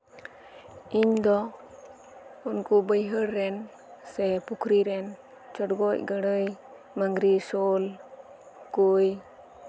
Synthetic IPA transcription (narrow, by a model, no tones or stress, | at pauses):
iɲd̪ɔ | unkubəjɦəɾːɛn | sɛpukʰɾiɾɛn | t͡ʃɔʈɡɔcɡəɽəj | maŋɡɾisol | kuj